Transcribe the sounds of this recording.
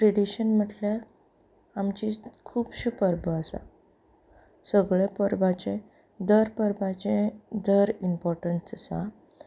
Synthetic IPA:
ʈɾeɽiɕənm̤əʈljaɾ | amt͡ɕikʰuːbɕupəɾbəəsa̰ | səɡɭepəɾbat͡ɕẽ | d̪əɾpəɾbãt͡ɕẽd̪əɾimpɔɾʈənsəsa̰

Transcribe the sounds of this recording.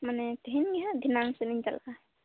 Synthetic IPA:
manɛt̪ɛɦinɡɛɦãd̪ʱinaŋsɛniɲd͡ʒa̰lka

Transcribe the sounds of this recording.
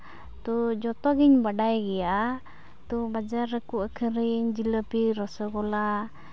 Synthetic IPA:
t̪ɔd͡ʒɔt̪ɔɡiɲbaɖajɡɛja | t̪ɔbad͡ʒaɾːəkuʔakʰəɾiɲd͡ʒiləpiɾɔsɔkɔla

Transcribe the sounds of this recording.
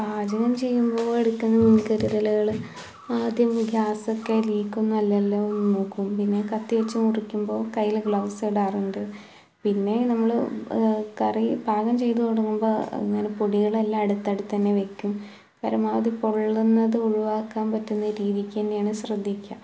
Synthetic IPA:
aːd͡ʑɐɣɐmt͡ɕe̞jːumboːeɽukʲːunːɐmunikɐɾuɾɐlɐɣɐɭ | aːd̪ʱjɐmɡʱjaːsokːeliːkːunːɐɐlːɐlːaonːmoːkːumpinːe̞kɐt̪ːiʋet͡ɕːumurikʲːumbo̞ːkɐjːilɡɭaːseɽaːruɳɖɨ | pinːe̞nɐmːɐɭ | kɐribʱaːɣɐmt͡ɕe̞jt̪ukɐɽukːumboːḛŋːɐnepoɽiɣɐɭelːaɐɽut̪ːɐɽut̪ːɐnːeʋe̞kʲːum | kɐɾɐmaːʋɐðipoɭːɨnːɐðɨuɻuʋaːkːaːmpɐtːunːɐɾiːðikʲːɐndejaːɳɨɕrɐd̪ʱːikʲːa

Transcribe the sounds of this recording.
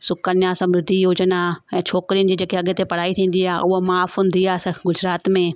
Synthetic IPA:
sʊkənjãːsɐmɾɪd̪ʱːijoːd͡ʒənaɛ̃ːt͡ʃʰoːkɾijənd͡ʒid͡ʒəkeɐɡet̪epɐɽ̤aːit̪ʰĩːn̆d̪iaːʊomaːfɦʊ̃nd̪iaːsəɡʊd͡ʒɾaːt̪mẽː

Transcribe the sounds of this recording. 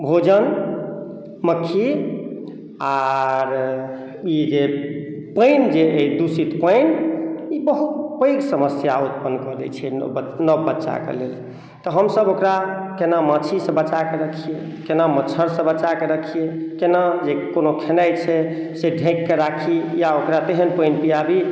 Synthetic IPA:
bʱod͡ʒən | məkʰːi | aɾ | id͡ʒepəɪnd͡ʒeed̪usit̪pəɪnibəɦut̪̚pəiksəməsjaut̪̚pənːkəd̪ɛ̰t͡ʃʰɛnəbbətːʃa̰kḛlel | t̪ɔɦəmsəbokɾakenamət͡ʃʰisə̃bət͡ʃakeɾəkʰije | kenamət͡ʃʰəɾsə̃bət͡ʃakeɾəkʰijekenad͡ʒekonokʰenəjt͡ʃʰɛseɖʱẽkːeɾakʰijaokɾat̪eɦənpəjnpijabi

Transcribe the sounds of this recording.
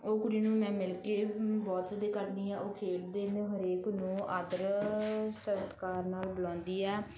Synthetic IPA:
oːkʊɽiːnũːmɛ̃ːmɪlkeːbɔːt̪ːd̪eːkəɾniːɛːoːkʰeːʈd̪eːñːɦəɾeːknũːʔaːd̪əɾ | səɾt̪kaːɾnaːlbəlɔ̃ːnd̪iːɛː

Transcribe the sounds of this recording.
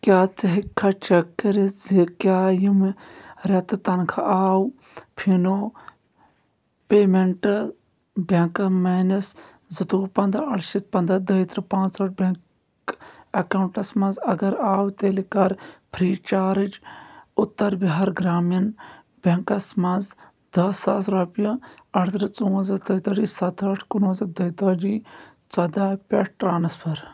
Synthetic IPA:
kjaːt͡sɐɦikʰːɐt͡ʃɐkːɐɾizikjaːjimɾɐt̪t̪ɐnkʰɐaːw | pʰinoː | peːmeɳʈ | bʲɐ̃ŋkmeːnɐs | zɨt̪uːpɐnd̪ɐɐɽʃit̪̚pɐnd̪ɐd̪əjt̪ɾɨpãːt͡sɐʈ̚bʲɐŋk | ɐkaːwɳʈɐsmɐ̃nzɐɡɐɾaːwt̪eːlikɐɾpʰɾiːt͡ʃaːɾɨd͡ʒʊt̪ːɐɾbiɦaːɾɡɾaːmjɐn | bʲɐŋkɐsmɐnz | d̪ɐsɐsɾɐːpjɐɐʈʰt̪ɾɨt͡suːɐ̃nzɐt͡sɐjt̪ɐd͡ʒisɐt̪ʰɐʈʰkunɐ̃nzɐd̪ɐjt̪ɐd͡ʒi | t͡sɐd̪aːpʲɐʈʰʈɾaːnɐspʰɐɾ

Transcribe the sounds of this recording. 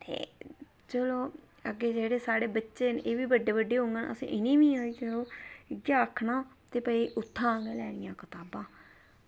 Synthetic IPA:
t̪ḛː | t͡ʃəloː | əɡeːd͡ʒeːɽeːsaːɽeːbətːʃeːnʔeːʋiːbəɖeːbəɖeːɦõŋɡenəsḭ̃ːʔɪniːʋĩːaːiːt͡ʃəloːɪɡjaːəkʰːnãː | t̪eːpəiːʔʊt̪ʰːãːɡelɛːɽɪjãːkət̪aːbãː

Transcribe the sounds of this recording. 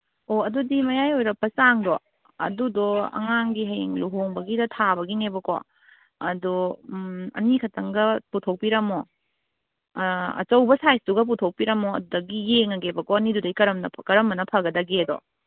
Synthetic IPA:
oɐdudimɐjajojɾɐpːɐsaŋdɔ | ɐ̰dudɔɐ̰ŋaŋɡiɦɐjiŋluɦoŋbɐɡidɐtʰabɐɡinebɐkɔ̰ | ɐdu | ɐ̰nikʰɐtʰɐŋɡɐputʰok̚piɾɐmɔ | ɐ̰t͡ʃɐwbɐsajstuɡɐp̬utʰok̚piɾɐmɔɐdudɐɡijeŋɐɡebɐkɔɐnidudɐjkɐɾɐmnɐkɐɾɐmːɐnɐpʰɐɡɐdɐɡedɔ̰

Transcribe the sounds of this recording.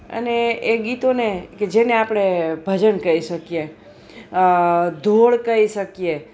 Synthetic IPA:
ə̰neːɡit̪oneked͡ʒeneapɽ̃ebʱəd͡ʒənkəiʃəkije | d̪ʱoɭkəiʃəkije

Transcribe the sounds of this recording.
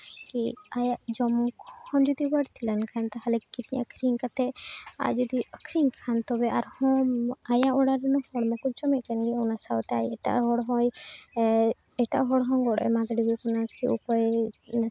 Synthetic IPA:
kiajaʔd͡ʒɔmukhɔ̃nd͡ʒɔd̪ibəɽt̪ʰilankʰant̪aɦalɛkkiɾiɲə̰kʰɾiŋkat̪ɛa̰jd͡ʒɔd̪iəkʰɾiŋkʰant̪ɔbɛʔaɾhɔ̃ajãʔɔɽaɾɛnɔhɔɽmãkɔt͡ʃɔmɛʔkanɡiɔwnasawt̪ɛajɛʈa̰ʔɦɔɽɦɔ̃j | ɛʈa̰ʔɦɔɽɦɔ̃ŋɡɔɽɛ̰mad̪ɖibɛkɔnaiṵpɔjn

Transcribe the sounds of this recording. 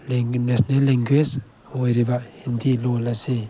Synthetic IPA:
lenesnelːeŋɡwes | hojɾibahint̪ʰilolase

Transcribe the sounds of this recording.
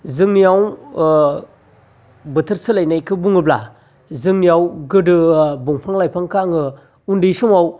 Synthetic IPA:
zɯŋnijaw | bɯtʰɯɾsɯlajnajkʰɯbuŋɯbla̰ | zɯŋnijawɡɯdɯbuŋpʰaŋlajpʰaŋkʰaŋɯ | undɯsɯmaw

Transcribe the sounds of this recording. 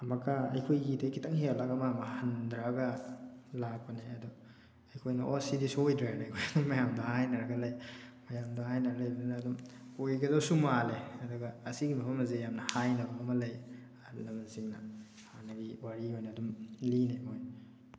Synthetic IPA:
ɐmɐkaɐjkʰojːidakʰitɐŋhealaɡamamɐhɐndɾaɡɐlak̚pɐneɐdɔ | ɐjkʰojnɐʔosidisuojdɾalajɡʰojɐdumːɐjamdɐhajnɐɾɐɡɐlɐjmɐjamdɐhajnɐɾlɐjbɐdnɐːdumojɡɐzawsumaleɐdɔɡɐɐsiɡimɐpʰɐmɐzejamnɐhajnɐbɐɐmɐlɐj | lɐmnsiŋnɐ | hanɐɡiwaɾiojnɐːdumlineoj

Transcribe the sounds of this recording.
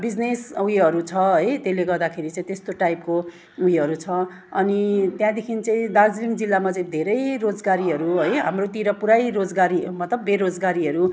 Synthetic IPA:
bid͡znesujʌɾut͡sʰʌɦʌjt̪eleɡʌrd̪akʰeɾit͡saĩt̪est̪oʈajpko | ujɦʌɾut͡sʰʌ | ʌnit̪jãd̪ekʰint͡sʌĩd̪ad͡zliŋd͡zilːamat͡sʌĩd̪ʱeɾʌjɾod͡zɡaɾiɦʌɾuɦʌjɦa̰mrot̪iɾʌpuɾajɾod͡zɡaɾimʌt̪lʌbːeɾod͡zɡaɾiɦʌɾu

